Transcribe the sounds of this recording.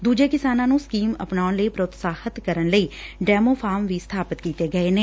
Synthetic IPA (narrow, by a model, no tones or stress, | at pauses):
d̪uːd͡ʒeːkɪsaːnãːnũːskiːmə̰pɳaːʊnləiːpɾəʊt̪saːhət̪kəɾənləiːɖɛːmoːpʰaːmʋiːst̪ʰaːpɪt̪kiːt̪eːɡəeːneː